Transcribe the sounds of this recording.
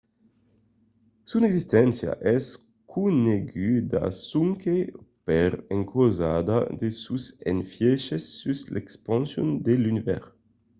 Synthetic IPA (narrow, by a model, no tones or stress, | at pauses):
suneɡzist̪ɛnsja̰ʔɛs | kʰuneɡyd̪a̰suŋkʰepeɾeŋkʰoza̰d̪a̰d̪esusenfjɛʃesːyslʔekspɑ̃nsjund̪elynivɛʁ